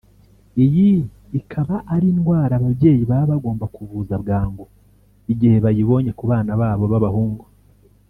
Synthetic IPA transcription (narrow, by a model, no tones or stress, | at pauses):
iji | ikʰaβaʔːɾinɡwaːɾaːβaβɟe̞ːjiβaβaɡo̞ːmbakuβuzaβɡaːŋɡo | iɟihe̞βajiβo̞ːɲe̞kuβaːnaβaːβo̞βaβahuːŋɡo